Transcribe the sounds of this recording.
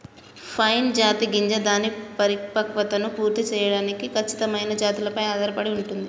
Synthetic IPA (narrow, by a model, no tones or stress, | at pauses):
pʰɐjnd͡ʒaːt̪iɡiɲd͡ʒɐd̪aːnipɐɾipɐkʋɐt̪ɐnupuːɾt̪it͡ʃɛːjɐɽaːnikikʰɐt͡ʃːi̥t̪ɐmɐjnɐd͡ʒaːt̪ilɐpɐjaːd̪ɐɾɐpɐɽiuɳʈund̪i